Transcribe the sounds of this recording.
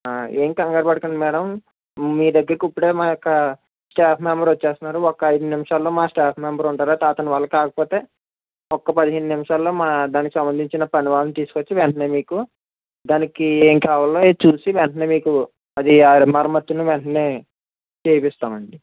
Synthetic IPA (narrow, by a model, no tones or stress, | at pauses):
aːeːŋkɐŋɡɐɾbɐɽɐkɐɳɖimɛːɽɐm | miːd̪ɐɡːɐɾikipːuɽe̞ːmaːjɔkːɐ | sʈaːpʰmɛmbɐɾʋɐt͡ʃːeːst̪unːaːɾuɔkːɐɐjd̪unimɐʂaːlːo̞ːmaːsʈaːpʰmembɐɾuɳʈaːɾaːt̪aːt̪ɐnʋaːlːɐkaːkɐ̥poːt̪e̞ː | ɔkːɐpɐd̪iɦenːunimʂaːlːo̞ːmaːd̪aːnikisɐmbɐnd̪ʱiɲt͡ʃinɐpɐniʋaːlɐmt̪iːsu̥kot͡ʃːiʋɛɳʈɐne̞ːmiːku | d̪aːnikieːŋkaːʋaːlːoːt͡ʃuːsiʋɛɳʈɐne̞ːmiːku | ɐd̪iaːmɐɾɐmɐt̪ːunuʋɛɳʈɐne̞ː | t͡ʃeːpɛst̪aːmɐɳɖi